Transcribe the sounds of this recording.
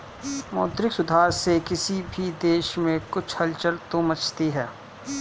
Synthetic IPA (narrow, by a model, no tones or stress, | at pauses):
mɔːt̪ɾɪksʊd̪ʱaːɾsekɪsibʱid̪eːʃmẽkʊt͡ʃʰhɐlt͡ʃəɾt̪omət͡ʃʰt̪iɦɛː